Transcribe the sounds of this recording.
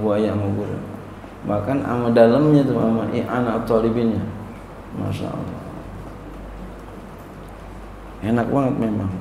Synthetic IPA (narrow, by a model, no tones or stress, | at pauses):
buajaamaɡuɾa̰ | bahkana̰madaləmɲat̪uamaʔḭʔanat̪ɔlibinɲa | ma̰sa̰ʔa̰lɔ̰ | enak̚baŋət̪̚memaŋ